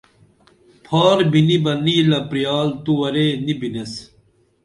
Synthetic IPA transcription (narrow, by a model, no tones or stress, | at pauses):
pʰaːɾbinibɐnilɐpɾijaːlt̪uwɐɾenibines